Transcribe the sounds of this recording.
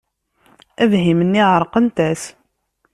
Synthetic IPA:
ævɦimənːiʕəɾˤqənt̪æs

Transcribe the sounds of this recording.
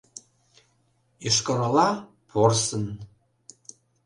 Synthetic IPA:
iʃkə̆ɾɑlɑ | pʰorsən

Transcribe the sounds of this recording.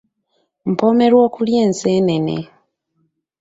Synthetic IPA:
m̩po̞ːme̞ɾwo̞ːkuljeːnse̞ːne̞nḛ

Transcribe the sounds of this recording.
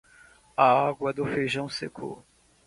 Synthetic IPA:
aaɡwɐd̪ʊfejʒɐ̃w̃sekʰʊ̰

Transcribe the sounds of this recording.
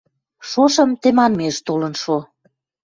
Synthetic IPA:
ʃoʃə̆mt̪emɑnmeʃt̪olənʃo

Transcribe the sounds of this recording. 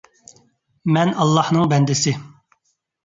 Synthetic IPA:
mɛnɑlˠːɑhnɨŋbɛnd̪ɪsɪ

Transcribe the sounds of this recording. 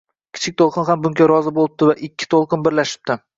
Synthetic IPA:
kʲʰɪ̥t͡ʃʰɪk̚ʲt̪ʰolˠqʰɨnɦambʊŋɡʲaɾɒzɪbolˠɪp̚t̪ɪvaʔɪkʲʰːɪ̥t̪ʰolˠqɨnbɪɾlaʃɪ̥p̚t̪ʰɪ

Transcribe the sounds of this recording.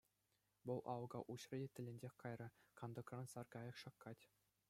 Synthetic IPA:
ʋɤ̆lˠʔɑwɤ̆ɡɑʔuɕrɤ̆dʲetʲɘ̆lʲĕnʲdʲexʲkɑjrɤ̆kɑnd̪ɤ̆krɑ̆nsɑrkɑjɤ̆kʂɑkʰːɑtʲ

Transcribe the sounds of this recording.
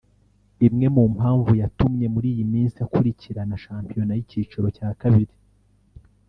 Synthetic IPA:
imŋe̞muːmhaːɱvujatumɲe̞muɾiːjimiːnsijakuɾiciɾanaʃaːmpijo̞najiciːt͡ʃuɾo̞caːkaβiɾi

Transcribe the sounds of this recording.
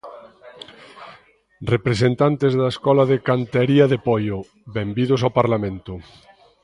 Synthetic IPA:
repɾesent̪ant̪ezðaeskɔlaðekant̪eɾiɐðepɔjo | βembiðʊsawpaɾlamẽnt̪ʊ

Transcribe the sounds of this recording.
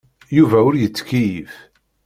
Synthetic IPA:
juvæʊɾjət͡sːkijif

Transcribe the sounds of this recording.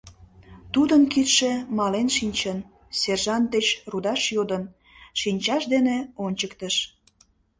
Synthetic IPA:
t̪ud̪ənkit̪ʃemɑlenʃinʲt͡ɕən | serʒɑnt̪̚d̪et͡ɕrud̪ɑʃjod̪ən | ʃinʲt͡ɕɑʃd̪eneonʲt͡ɕəkt̪əʃ

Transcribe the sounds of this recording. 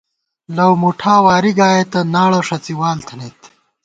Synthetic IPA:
lɐwmuʈʰaːwaːɾiɡaːjet̪ɐnaːɭɐʂɐt͡siwaːlt̪ʰɐnet̪

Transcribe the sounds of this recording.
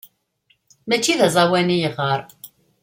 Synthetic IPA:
mæt͡ʃːiðæzˤɑwænijəʁəɾˤ

